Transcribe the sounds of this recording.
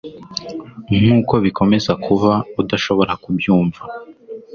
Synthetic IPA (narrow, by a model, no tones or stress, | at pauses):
ŋm̥uːko̞βikʰo̞me̞zakʰuvaudaʃo̞βo̞ɾakubjuːɱva